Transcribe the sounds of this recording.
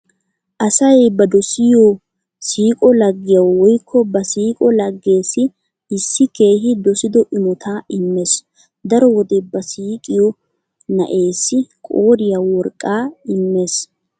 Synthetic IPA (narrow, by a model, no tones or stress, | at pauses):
ʔɐsɐjbɐd̪ɔsɪjɔ | siːkʼɔlɐɡːɪjɐwwɔjkʰːɔbɐsiːkʼɔlɐɡːe̞ːsɪ | ɪsːɪke̞ːɦɪd̪ɔsɪd̪ɔʔɪmɔt̪ʰaːɪmːe̞s | d̪ɐɾɔwɔd̪ɛbɐsiːkʼɪjɔ | nɐ̰ʔe̞ːsːɪkʼoːɾɪjawɔɾkʼːaːɪmːe̞ːs